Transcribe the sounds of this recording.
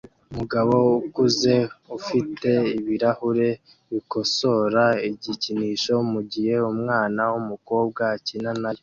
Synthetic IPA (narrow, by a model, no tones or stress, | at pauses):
umuɡaβo̞ukuze̞ufite̞iβiɾahuɾe̞ | βiko̞so̞ɾaiɟiciniːʃo̞muɟihe̞umŋaːnawumuko̞ːb̚ɡacinanaje